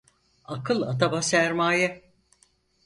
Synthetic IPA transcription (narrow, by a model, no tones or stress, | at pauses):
akʰɯlˠat̪abasæɾmaːjɛ